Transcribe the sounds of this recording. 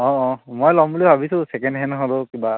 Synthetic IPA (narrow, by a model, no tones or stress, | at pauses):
ɔ̃ɔ̃mojlɔmbulibʱabisʊ̃sɛkɛnɦɛnɦolokiba